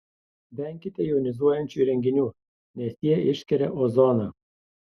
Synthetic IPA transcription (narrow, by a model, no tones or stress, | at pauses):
bʲɛŋʲkʲɪt̪ʲɛjunʲɪzuɔjɛnʲt͡ʃuɾʲɛŋʲɡʲɪnʲuː | nʲɛsjiɛɪʃkʲɛɾʲɛʔozoːnɐ